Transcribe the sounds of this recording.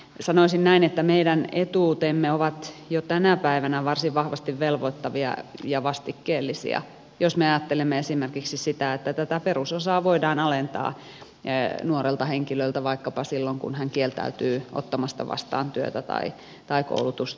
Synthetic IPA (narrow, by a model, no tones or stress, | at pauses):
sɑnoisinnæinet̪ːæmeidænet̪uːt̪emːeoʋɑt̪jot̪ænæpæiʋænæʋɑrsiʋʋɑhʋɑst̪iʋʋelʋoit̪ːɑʋiɑ̰jɑʋɑst̪ikːeːlːisḭɑ̰ | josmeɑjɑt̪ːelemːeesimerkiksissit̪æet̪ːæt̪æt̪æperusosɑːʋoidɑːnɑlent̪ɑ̰ː | nuoɾelt̪ɑheŋkiløilt̪æʋɑikːɑpɑsilːoŋkṵnhæŋkielt̪æ̰yt̪yːʔo̰t̪ːɑmɑst̪ɑ̰ʋɑ̰st̪ɑ̰ːnt̪yø̰t̪æt̪ɑ̰i | t̪ɑiko̰ulut̪ust̪